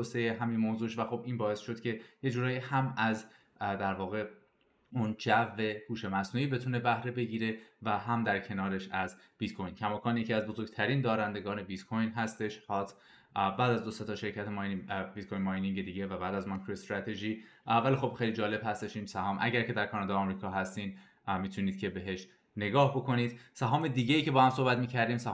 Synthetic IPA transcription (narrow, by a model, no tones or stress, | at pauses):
osejeɦæminmoːzuːʃvæxobiːnbɒːe̞sʃo̞d̪̥cʰe̞je̞d͡ʒuːɾɒːjihæmæz | d̪æɾvɒːɣe̞ | und͡ʒævːe̞huːʃe̞mæsnuːiːbe̞t̪ʰuːne̞bæhɾe̞be̞ɟiːɾe̞væɦæmd̪æɾcʰe̞nɒːɾe̞ʃæz | b̥it̪kʰo̞jncʰæmɒːkʰɒːnjecʰiːæzbo̞zo̞ɾɡ̚t̪ʰæɾiːnd̪ɒːɾænd̪e̞ɡɒːne̞bit̪kʰojnɦæst̪e̞ʃhɒːt̪ʰ | bæːd̪æzd̪o̞se̞t̪ɒːʃe̞ɾcʰæt̪ʰembit̪̚kʰojnmɒːjniŋɡed̪iːɟe̞væbæːd̪æzmɒnkʰɾoest̪ɾæt̪ʰe̞ʒiː | vælixob̥xe̞jlid͡ʒɒːle̞b̥hæst̪e̞ʃiːnsæhɒːmʔæ̰ɟæɾkʰe̞d̪æɾkʰɒːnɒd̪ɒːɒːmɾiːkʰɒːɦæst̪iːn | miːt̪ʰuniːd̪̥cʰe̞be̞ɦe̞ʃ | ne̞ɡɒːhbo̞kʰo̞niːd̪̥sæɦɒːme̞d̪iːɟe̞jiːcʰe̞bɒːhæmso̞hbæt̪miːcʰæɾd̪iːmsæ